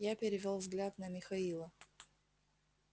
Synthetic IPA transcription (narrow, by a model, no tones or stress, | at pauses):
japʲɪɾʲɪvʲolˠvzɡlʲat̪nɐmʲɪxɐilˠə